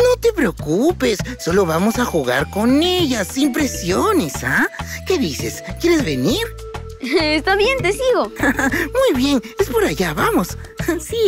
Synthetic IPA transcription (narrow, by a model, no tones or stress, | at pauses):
no̞t̪e̞pɾeokupe̞sːo̞lo̞βamosaxuɣa̰ɾko̞ne̞ʝasimpɾe̞sjo̞ne̞sake̞ðise̞̰skje̞ɾe̞zβe̞niɾ | est̪aβje̞nt̪esiɣo̞amujβje̞ne̞spo̞ɾaʝaβamo̞ssi